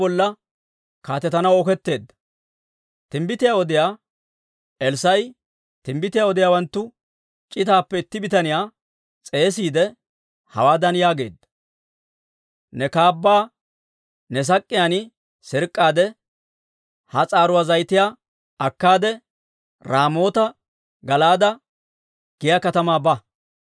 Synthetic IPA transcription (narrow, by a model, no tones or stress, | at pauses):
bɔlːɐ | kaːt̪ɛt̪ɐnɐwɔkɛt̪ːe̞ːd̪ːɐ̥ | t̪ɪmbɪt̪ɪjaːɔd̪ɪjaː | ɛlsɐj | t̪ɪmbɪt̪ɪjaːɔd̪ɪjaːwɐnt̪ːʊ | t͡ʃʼɪt̪aːpːɛɪt̪ːɪbɪt̪ɐnɪjaː | t͡sʼe̞ːs̬iːd̪ɛ | hɐ̰waːd̪ɐnjaːɡe̞ːd̪ːɐ̥ | nɛkaːbːaː | nɛs̬ɐkʼːɪjaːnɪ | sɛɾkʼːaːd̪ɛ | hɐt͡sʼaːɾʊwaːzɐjt̪ɪjaː | ɐkːaːd̪ɛ | ɾaːmo̞ːt̪ɐ | ɡɐlaːd̪ɐ | ɡ̥ɪjaːkɐt̪ɐmaːbɐ